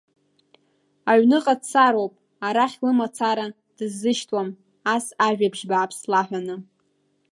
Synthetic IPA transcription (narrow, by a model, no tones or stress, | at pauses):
aɥnɨqʼadsaɾowpʼ | aɾaχʲlɨmat͡sʰaɾa | d̥ɨzːɨʃtʰʼwam | asaʒᶣabʒbaːpʰslaħʷᶣanɨ